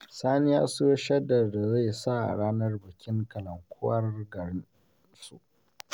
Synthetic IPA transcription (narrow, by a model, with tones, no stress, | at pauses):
saː˦nɪ˦jaː˦su˦ja˦ʃɐ˦dɐ˨rda˨za˦˨sa˦˨ʔa̰˨ɽaː˦nɐ˦rbɐ˨kʲʰɪ˦ŋkɐ˨lɐ˨ŋkʷʰʊ˦ɐ˦rɡɐ˨ɽɪ˦n | su˨ʔ